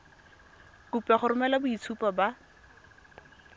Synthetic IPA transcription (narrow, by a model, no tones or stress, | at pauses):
kupaχʊɾʊmɛlabʊit͡sʰupʼaba